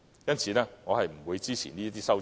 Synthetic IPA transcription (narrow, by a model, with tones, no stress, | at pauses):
jɐ˥nsʰiː˨˧nɛː˥ŋɔː˨˧hɐ˨jm̩˨˩wuː˨˧jt͡siː˥t͡sʰḭ˨˩niː˥ɐ˥t̪̬iː˥sɐ˥w